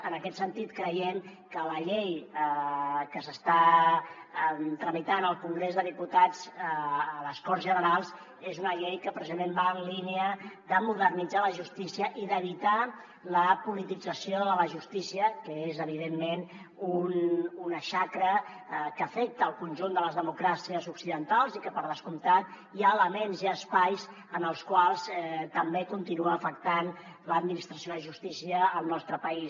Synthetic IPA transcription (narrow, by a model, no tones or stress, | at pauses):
ənəkɛt̪sənt̪it̪kɾəjɛmkələʎejəkəsəst̪a | t̪ɾəmit̪anəlˠkuŋɡɾezðəðiput̪ad͡zː | ləskɔrzʒənəɾalˠz | ezunəʎejkəpɾəzimembaənlineəðəmuðərnid͡zaləʒust̪isiəʔiðəβit̪a | ləpulit̪id͡zəsioðəələʒust̪isiəkəezəβiðemːen | ununəʃakɾə | kəːfɛk̚t̪əːlˠkunʲʒund̪ələzðəmukɾasiəzuksiðənt̪alˠzikəpəɾðəskumt̪a | iaələmenziəspajs | ənəlˠskwalˠzt̪əmbekunt̪inuəːfək̚t̪an | ləd̪minist̪ɾəsijoðəʒust̪isiəːlˠnɔst̪ɾəpəis